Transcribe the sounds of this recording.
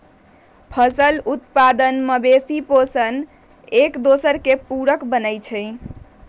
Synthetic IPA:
pʰəsəlut̪pad̪ənməbesiposən | ekd̪osəɾkepuɾəkbənəjt͡ʃʰɛɪ

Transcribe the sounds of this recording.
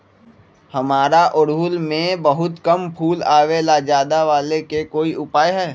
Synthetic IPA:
hɐmaːɾaʔʊɽʊlmẽbɐɦʊt̪kɐmpʰuːlaːʋelad͡ʒaːd̪aʋaːlekekoːiʊpaːjɦɛː

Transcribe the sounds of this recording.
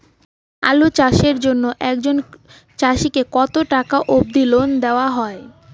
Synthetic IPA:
a̰lut͡ɕaʃeɾd͡ʑonːoʔɛk̚d͡ʑon | t͡ɕaʃikekɔt̪oʈakaʔob̚d̪ilond̪eoaɦɔe

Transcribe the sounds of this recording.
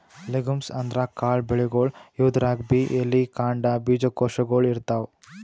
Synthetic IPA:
leɡumsɐnd̪ɾakaːɭbeɭiɡoːɭud̪ɾaːɡ̚biʔelːikaːɳɖabiːd͡ʒɐkoːʃɐɡoːɭiɾt̪aːw

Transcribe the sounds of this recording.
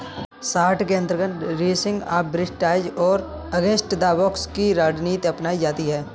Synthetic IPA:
saːɾʈʰkeənt̪əɾɡənɾeːsɪ̃ŋɡa̰ːbɾɪsʈaːɪd͡ʒɔːɾ | ɐɡeːsʈd̪aːbɔːkskiɾaːɖniːt̪ɐpnaːid͡ʒaːt̪iɦɛː

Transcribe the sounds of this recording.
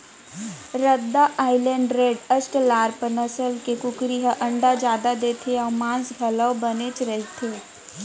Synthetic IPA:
ɾəd̪ːaʔaːɪləɳɖɾeːɖəsʈlaːɾpəɾnəsəlkekʊkɾiɦəʔɐ̃ɳɖad͡ʒaːd̪ad̪eːt̪ʰeamãːnsɡʱɐləwbənet͡ʃɾəɦit̪ʰeː

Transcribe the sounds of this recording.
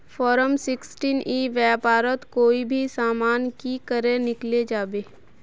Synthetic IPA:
fɔːɾəmsɪksʈiːnʔiʋjɛːpaːɾət̪koːibʱisaːmaːnkikəɾẽnɪkled͡ʒaːbeː

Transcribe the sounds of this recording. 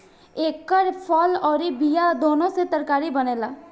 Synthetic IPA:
ekːəɾpʰɔlɔɾibijad̪onoset̪əɾkaɾibənela

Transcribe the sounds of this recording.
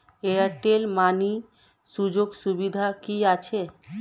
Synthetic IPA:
eaɾʈelmani | ʃud͡ʑoɡʃubid̪ʱakiat͡ɕʰe

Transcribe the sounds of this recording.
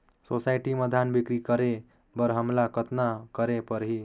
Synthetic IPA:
sosajʈiməd̪ʱanbikɾikʌɾe | bʌɾɦəmlakət̪nakəɾepəɾɦi

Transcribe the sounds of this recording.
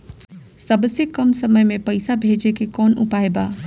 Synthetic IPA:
sɐbsekɐmsɐməjmẽpɐɪsabʱeːd͡ʒekekɔːnʊ̰paːebaː

